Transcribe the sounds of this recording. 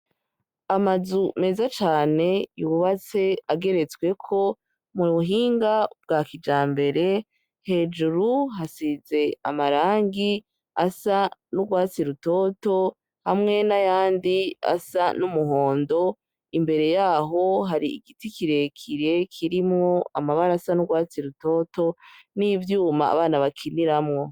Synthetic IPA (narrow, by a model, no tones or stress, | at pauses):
amazume̞ːzat͡ʃaːne̞juβuβat͡se̞aɡe̞ɾe̞t͡swe̞kʰo̞ | muuɦiːŋɡab̚ɡaːkid͡ʒaːmbe̞ɾe̞ | he̞ːd͡ʒuɾuɦasize̞a̰maɾaːŋɡi | asanuɡwaːt͡siɾuto̞ːto̞ | hamŋe̞najaːndia̰sanumuɦo̞ːndo̞ | imbe̞ɾe̞jaːɦo̞ɦaɾiḭɡitikiɾe̞kʰiɾekʰiɾimŋo̞a̰maβaɾasanuɡwaːt͡siɾuto̞ːto̞nivjuːmaa̰βaːnaβakʰiniɾamŋo̞